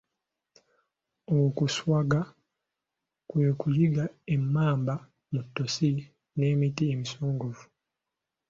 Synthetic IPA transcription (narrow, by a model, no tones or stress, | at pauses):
okuswaɡa | kwe̞ːkujiɡaemːaːmba | mutːosi | ne̞ːmitiemisoːŋɡuvu̥